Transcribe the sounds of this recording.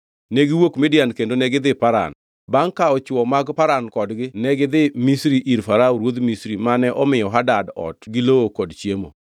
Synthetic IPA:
neɡiwokmɪdjankendonɛɡɪd̪ɪpaɾa̰n | baŋkaɔt͡ʃwɔmaɡpaɾankɔdɡɪnɛɡɪd̪ɪmisɾiʔiɾfaɾaɾwod̪misɾimanɛʔɔmɪjɔɦadadɔ̰tɡɪlookɔdt͡ʃjemo̰

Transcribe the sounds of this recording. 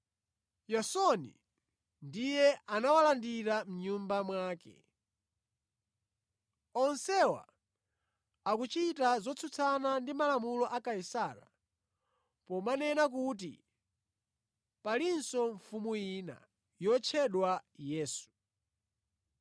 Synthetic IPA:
jɔsɔnḭ | ndijɛʔanawalandiɾam̩ɲumbamwaːkɛ̰ | ɔnsɛwa̰ | akut͡ʃitazɔt͡sʰut͡sʰanandimalamulɔʔakaisaɾa̰ | pɔmanɛnak̬uːt̬ḭ | palinsɔɱfumujiːna̰ | jɔt͡ʃʰɛɗwajɛːsu̥

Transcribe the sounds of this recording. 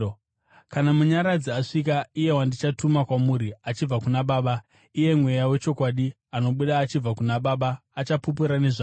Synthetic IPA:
kanamuɲaɾad͡ziaʂik̬aije̞wandit͡ʃatumakwamuːɾiat͡ʃib͡vakunaɓaːɓa | ije̞mwe̞jawe̞t͡ʃo̞kwaːɗi | ano̞ɓuɗaːt͡ʃib͡vakunaɓaɓaːt͡ʃapup̬uɾane̞ʐaː

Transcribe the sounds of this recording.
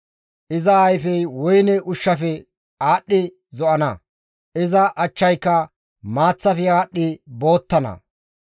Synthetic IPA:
ʔɪzɐɐjfɛjwɔjnɛʔʊʃːɐfɛ | aːɗːɪ | zɔʔɐnɐ̰ | ʔɪzɐʔɐt͡ʃːɐjkːɐ | maːt͡sːɐfɪaːɗːɪbo̞ːt̪ːɐnɐ̰

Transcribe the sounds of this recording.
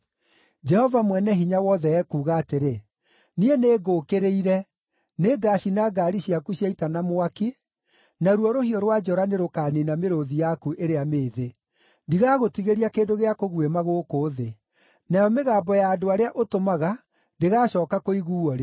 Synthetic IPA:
d͡ʒɛhɔvamwɛnɛɦiɲawɔðɛɛkuːɣaːteɾe | nieneːɡokeɾeiɾɛ | neːɡaɕinaɡaːɾiɕiakuɕjaitanamoake | naɾuɔɾohiɔɾwad͡ʒɔɾaneɾokaːninameɾoðijakuʔeɾeameːðe | ndiɣaːɣotiɣeɾiakeːndoɣeakoɣuwemaɣoːkoːðe | najɔmeɣaːbɔjaːdoaɾeaʔotomaɣa | ndeɣaːɕɔːkakoiɣuːɔɾe

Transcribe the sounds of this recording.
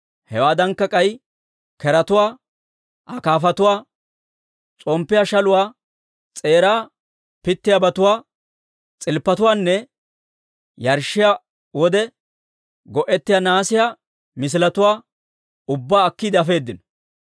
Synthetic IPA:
hɛwaːd̪ɐŋkːɐkʼɐj | kɛɾɐt̪ʊwaː | ʔɐkaːfɐt̪ʊwaː | t͡sʼɔmpːɪjaːʃɐlʊwaː | t͡sʼe̞ːɾaː | pɪt̪ːɪjabɐt̪ʊwaː | t͡sʼɪlpːɐt̪ʊwaːnːɛ | jɐɾʃːɪja | wɔd̪ɛ | ɡɔʔɛt̪ːɪjaːnaːsɪjaː | mɪs̬ɪlɐt̪ʊwaː | ʊbːaːkːid̪ɐfe̞ːd̪ːɪnɔ

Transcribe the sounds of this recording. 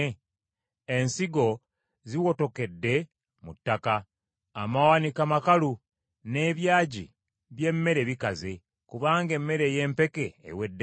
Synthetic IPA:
e̞nsiɡo̞ | ziwo̞to̞ke̞dːe̞ | mutːakaː | mawanikamakalu | ne̞βjaːɟḭ | βje̞mːe̞ɾe̞βikaze̞ | kuβaːŋɡe̞mːe̞ɾe̞je̞ːmpe̞ke̞̰ːwe̞dː

